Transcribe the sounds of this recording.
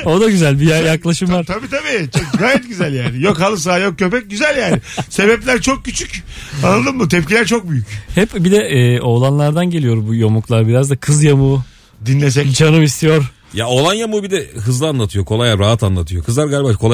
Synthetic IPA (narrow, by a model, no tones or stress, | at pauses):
o̞d̪aɟyzælʲbijajaklˠaʃɯmvaɾt̪ʰabiːt̪ʰabiːt͡ʃʰoɡaːjɛt̪̚ɟyzælʲjæːnɪjo̞khalˠɯs̬aːjok̚cʰːø̞pɛc̚ɟyzælʲjæːnɪse̞bɛplʲæɾt͡ʃʰok̚cyt͡ʃʰycanˠad̪ɯmmɯt̪ʰɛp̚cilʲæɾt͡ʃʰok̚byjychɛpbid̪ɛɛːo̞lˠanlˠaɾd̪anɟeijo̞ɾbujomuklˠaɾbiɾazd̪akʰɯzjamu | d̪inlʲes̬ɛt͡ʃʰanɯmist̪ʰijo̞ɾ | jao̞lˠanjamuːbid̪ɛɦɯzlˠɯanlˠat̪ʰɯjo̞kʰo̞lˠajaɾaɦat̪anlˠat̪ʰɯjokʰɯzˠaɾɡaːlʲibakʰolˠa